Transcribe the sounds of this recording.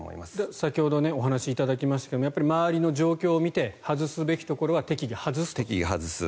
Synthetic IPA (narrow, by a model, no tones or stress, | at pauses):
o̰ḭmasd̪sakʲiho̞d̪o̞ne̞o̞ɦanaɕiːt̪ad̪akʲimasɕit̪ḁked̪oojapːaɾʲimaβaɾʲino̞ʑo̞ːkʲo̞ːmʲit̪e̞hazɨsɨbe̞kʲi̥t̪o̞ko̞ɾo̞at̪e̞kʲiɡahazɨst̪okʲiɡahazɨsɨ̰